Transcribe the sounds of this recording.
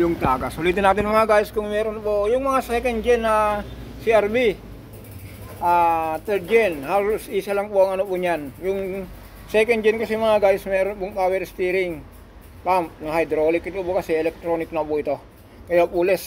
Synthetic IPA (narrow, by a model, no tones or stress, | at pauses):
jʊŋt̪aːɡasoliːt̪ɪnaːt̪ɪnmɐŋaɡajskʊŋmɛːɾonpojʊŋmɐŋasɛkɛnd͡ʒɛna | siaɾbi | ʔat̪ɛɾd͡ʒɛnhaːlʊsisalaŋpoaŋɐnopʊɲanjʊŋ | sɛkɛndd͡ʒɛnkɐsɛmɐŋaɡajsmɛːɾonpuŋawɛɾst̪iɾɪŋ | pampnɐɦajd̪ɾolɪkit̪oʔbokɐsɛɛlɛk̚t̪ɾoːnɪk̚naboit̪o | kɐjapuːlɛs